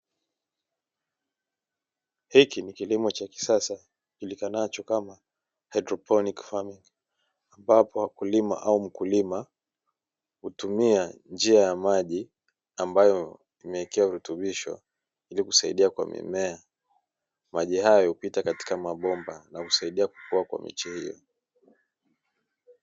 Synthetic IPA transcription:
hikinikilimɔt͡ʃaki̥sasa | kilikanat͡ʃɔkama | hajdɾɔpʰɔnikfamiŋ | ambapɔakulima̰ʔaum̩kulima | hutumiand͡ʒiajamaʄi | ambajɔ | imɛikiauɾutuɓiʃɔ̰ | iliku̥saḭɗiakwa̰mḭmɛa | maʄihajɔhupitakati̥kamaɓɔmbanahusaiɗiaku̥kuakwa̰mḭt͡ʃɛhijɔ̰

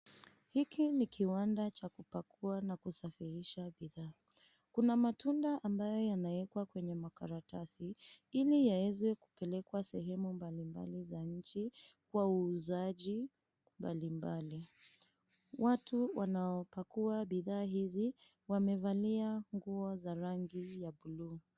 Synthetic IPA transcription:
hikinikʰiwandat͡ʃakupakʰuanakusafiɾiʃaɓiðaː | kunamatundaʔambajɔjanaɛkwakwɛɲɛmakaɾatasiilijawɛzwɛku̥pɛlɛkwasɛɦɛmumbalimba̰lizaɲ̩t͡ʃikwauːzaʄi | mbalimbali | watuwanaɔpakuaɓiðaːɦizi | wamɛvaliaŋɡuɔzaɾaŋɡijaɓuluː

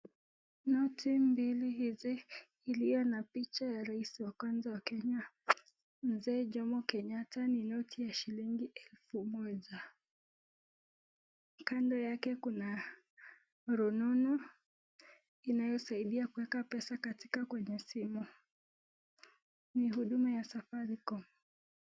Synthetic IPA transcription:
nɔtʰimbiliɦiziː | lijɔnapit͡ʃajaɾaisiwakwanzawakɛɲa | m̩zɛːʄɔmɔkɛɲataninɔtʰijaʃiliŋɡiɛlfumɔʄa | kandɔjakɛkuna | ɾɔnɔnɔ | inajɔsaiɗiakuwɛkapɛsakatikakwɛɲɛsimu | nihuɗumajasafaɾikɔmɔ

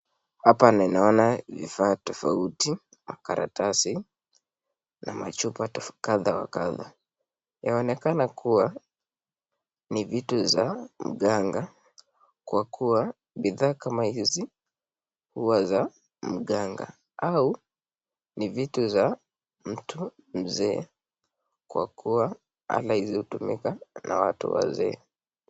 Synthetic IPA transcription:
hapanainaɔnavḭfaːtɔfauti | makaɾa̰tasi | na̰ma̰t͡ʃupakaðawa̰kaða̰ | jaɔnɛkanakuwa | nivituzam̩ɠaŋɡa | kwakʰua | ɓiðaːkamahizi | huwaza | m̩ɠaŋɡa̰ | au | nivituza | m̩tʰu | m̩zɛː | kwa̰kuwa | a̰lahizihutumḭkana̰wa̰tṵwa̰zɛ̰ː

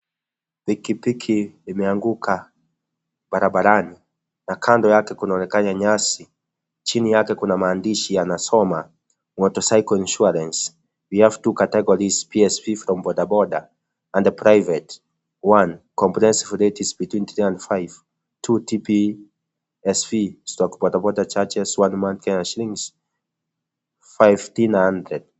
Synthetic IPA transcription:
pikipikʰiːmɛaŋɡukʰa | baɾaɓaɾani | nakʰandɔjakɛkunaɔnɛkaɲaɲasi | t͡ʃinijakɛkunamaːndiʃijanasɔma | wɔtɔsajkɔinʃuaɾɛns | piɛftukatɛɡɔɾizpiɛspifɾɔmbɔɗabɔɗa | ãndəpʰɹajvɛt | wãnkɔ̃mpɹihɛ̃nsivɹetizbitwĩnθɹiãndfajv̥ | tʰutʰipi | ɛspistɔkbɔdabɔdat͡ʃat͡ʃɛzwãnmãnθkaɲaʃlĩŋz̥ | fajvtinhãndɹɛd̥̚

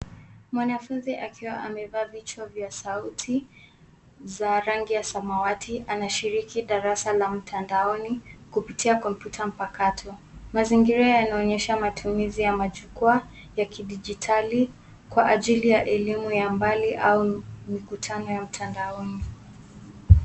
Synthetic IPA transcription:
mwanafunziʔakiwaʔamɛvaːvit͡ʃwavjasautʰi | zaɾaŋɡijasamawatʰiʔanaʃiɾikiɗaɾasalam̩tʰandaɔnikupitiakɔm̩pjutʰam̩pakatʰɔmaziŋɡiɾajanaɔɲɛʃamatʰumizijamaʄukua | jakiɗid͡ʒitʰali | kwaʔaʄilijaʔɛlimujambaliʔaumikutʰanɔjam̩tʰandaɔni

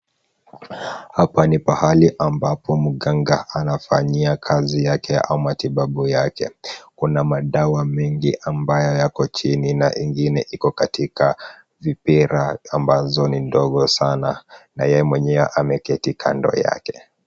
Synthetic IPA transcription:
hapanipahaliʔambapɔmuɠaŋɡaʔanafaɲiakʰazijakɛaumatiɓaɓujakɛ̰kunamaɗawamɛŋɡiʔambajɔjakɔt͡ʃininaʔiŋɡinɛʔikɔkatika | vipiɾaːmbazɔnindɔɠɔsana̰na̰jɛjɛmwɛɲɛwaʔamɛkɛtikʰa̰ndɔ̰ja̰kɛ̥

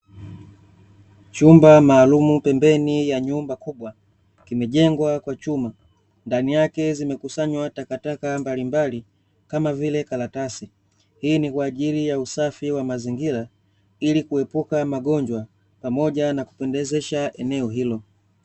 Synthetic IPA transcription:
t͡ʃumbamaːlumupɛmbɛnijaɲumbakuɓwa | kimɛʄɛŋɡwakwat͡ʃuma | ndanijakɛzimɛkusaɲwatakatakambalimbali | kamavilɛkalatasi | hiːnikwaːʄilijausafiwamaziŋɡiɾa | ilikuɛpukamaɡɔɲd͡ʒwa | pamɔʄanaku̥pɛndɛzɛʃaʔɛnɛɔɦilɔ

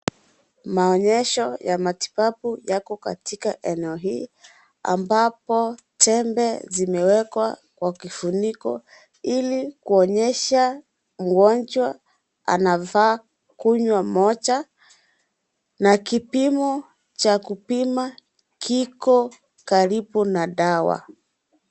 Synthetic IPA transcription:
maɔɲɛʃɔjamati̥papujakɔka̰tikaʔɛnɛɔɦiː | a̰mbapɔ | tʰɛmbɛzimɛwɛkwa̰kwakifunikɔ̰ | ilikuɔɲɛʃa | m̩ɡɔnd͡ʒwa | a̰navaː | kuɲwamɔt͡ʃa | nakipimɔ | t͡ʃakupima | kikɔ | kaɾibunaɗawa̰

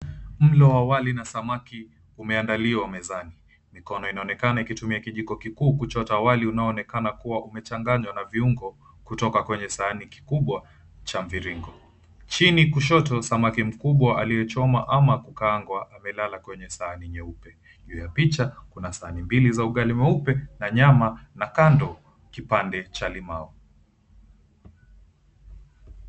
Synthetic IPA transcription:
m̩lɔwawalinasamaki | umɛandaliwamɛzani | mikɔnɔinaɔnɛkanaikitumiakiʄikɔkikuːkut͡ʃɔtawaliunaɔːnɛkanakuwaʔumɛt͡ʃaŋɡaɲwanaviuŋɡɔ | kutɔkakwɛɲɛsaːniki̥kuɓwa | t͡ʃaɱviɾiŋɡɔ | t͡ʃinikuʃ̬ɔtɔsamakɛm̩kuɓwaalijɛt͡ʃɔmaʔamakukaːŋɡwaʔamɛlalakwɛɲɛsaaniɲɛupɛ | ʄuːjapit͡ʃakunasaanimbilizauɠalimɛupɛnaɲamanakandɔ | kipandɛt͡ʃalimaɔ

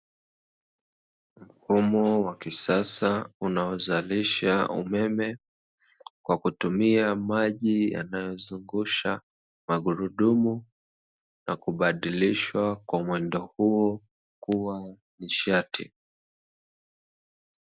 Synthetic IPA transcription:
m̩fumɔwakisasaunaɔzaliʃaṵmɛmɛ | kwakutumiamaʄija̰najɔzuŋɡuʃa | maɠuɾuɗumu | nakuɓaɗiliʃwakwamwɛndɔhuɔ | kuwa | niʃatḭ

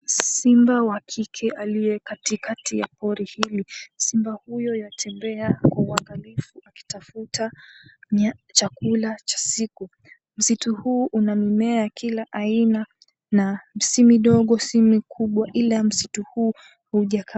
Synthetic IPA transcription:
simbawakʰikʰɛʔalijɛkatikatija̰pɔɾihilisimbahujɔjatʰɛmbɛakwauaŋɡalifuʔaki̥tafutaɲat͡ʃakulat͡ʃḁsiku | m̩situhuːʔunamimɛakʰilaʔaina | namsimiɗɔɠɔsimikʰuɓwaʔilam̩situhuː | huʄaka

